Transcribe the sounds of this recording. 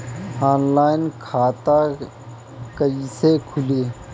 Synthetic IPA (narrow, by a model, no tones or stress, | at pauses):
aːnlaːɪnkʰaːt̪a | kəisekʰʊleː